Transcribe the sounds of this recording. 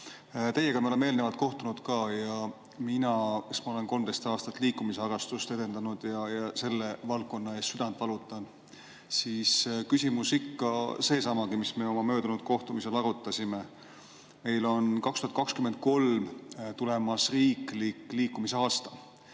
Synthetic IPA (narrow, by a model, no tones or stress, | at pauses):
t̪e̞jːe̞ɡ̥ɑmɑo̞leme̞ːlnevɑlt̪̚ko̞ht̪unud̪̥kɑːjɑ | minɑkesmɑo̞le̞nko̞lmd̪e̞jst̪ɑːst̪ɑt̪ːˑliːkːˑumiseɑɾɑst̪ust̪e̞d̪̥e̞nd̪̥ɑnud̪̥jɑjɑse̞lːe̞vɑlkːˑo̞nːɑest̪syd̪ɑnt̪vɑlut̪ːˑɑn | siːskysʲimusikːɑse̞ːsɑmɑɡ̥imisme̞o̞mɑmø̞ːd̪̥unud̪̥̚ko̞ht̪umise̞lɑɾut̪ːˑɑsʲime | me̞jlo̞nkɑkst̪uhɑt̪kɑkskymend̪̚ko̞lmt̪ule̞mɑsriːklikːliːkːˑumise̞ɑːst̪ɑ̥